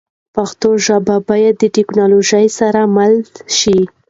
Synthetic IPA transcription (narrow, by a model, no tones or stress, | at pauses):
paxt̪oʒababɑjad̪̚ːəʈɪknɑloʒajsaɾamalʃi